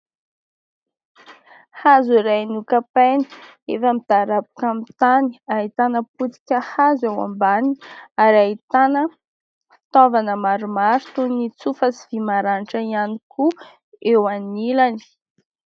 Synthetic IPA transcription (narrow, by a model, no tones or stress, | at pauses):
hazuiɾajnukapeni | efamid̪̥aɾabu̥kamit̪ani̥ait̪anəput͡si̥kʲəhazewa̰mbaniaɾait̪anə | fi̥t̪ɔvanəmaɾumaɾt̪unit͡sufəsi̥v̥imaɾanʈ͡ʂəianikʰu | ewanilani̥